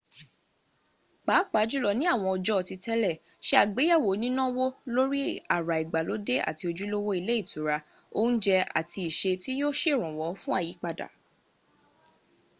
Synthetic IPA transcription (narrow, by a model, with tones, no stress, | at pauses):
k͡paː˨˦k͡pa˨˦d͡ʒu˦lɔ˧nĩ˦a˦˨w̃ɔ̃˧ɔ˧d͡ʒɔ˦ɔ˧˨ti˧tɛ˦lɛ˦˨ | ʃe˦a˦˨ɡ͡be˨˦ja˦˨wo˨˦nĩ˦nã˦wo˦lo˦ɾi˦a˦˨ɾa˨i˨ɡ͡ba˨lo˨˦de˦a̰˨ti˧o˧d͡ʒu˦lo˦wo˦i˧le˦i˦˨tʰu˨˦ɾa˧ | o˦n̩˦d͡ʒɛ˧a̰˨ti˧i˨ʃe˧ti˦jo˦ʃe˦˨ɾ̃ɔ̃˨wɔ˨˦fũ˦a˦˨ji˨˦k͡pa˧da̰˨